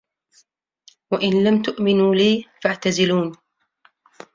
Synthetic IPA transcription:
waʔɪnlamt̪ʊʔmɪnuːliːfaʕt̪azɪluːn

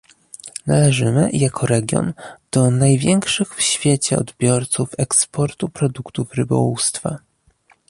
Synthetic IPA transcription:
nalɛʐɘmɘ̰jakʰɔɾɛɡʲjɔ̰nd̪̥ɔnajvʲjɛŋkʂɘxfɕfʲjet͡ɕɛɔ̰d̪bʲjɔɾt̪sufɛkspɔɾt̪upɾɔd̪ukt̪ufɾɘbɔ̰wust̪fa̰

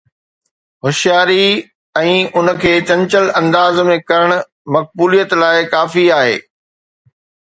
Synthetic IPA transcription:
hʊʃijaːɾi | ɛ̃ːʊnə̆kʰeːt͡ɕɐ̃ɲt͡ɕəlɐ̃nd̪aːzmẽkɐɾəɽ̃ʊ̆ | mɐk̚buːlijət̪laːɪkaːfiaːɦḛː

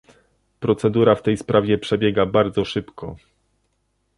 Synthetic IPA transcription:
pɾɔt̪sɛd̪uɾaft̪ɛjspɾʔavʲjɛpʂɛbʲjɛɡabaɾd̪zɔʂɘpkʰɔ

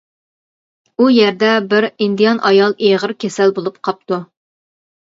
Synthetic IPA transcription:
ujɛɾd̪ɛbɪɾind̪ijɑnʔɑjɑlˠeʁəɾkʲʰɛsɛlbolˠup̚qʰɑp̚t̪u

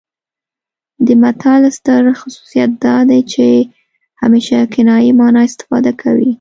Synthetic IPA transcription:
d̪əmat̪ʰɑlst̪əɾxʊsu̥sijat̪̚d̪ɑd̪ajt͡ʃe | hameʃakɪnɑjimɑnɑɪst̪ɪ̥fɑ̰d̪akʰawi

